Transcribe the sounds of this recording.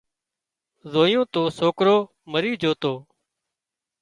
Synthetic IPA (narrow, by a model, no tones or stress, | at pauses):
zoːjõːt̪oːsoːkɾoː | məɾiːd͡ʒoːt̪oː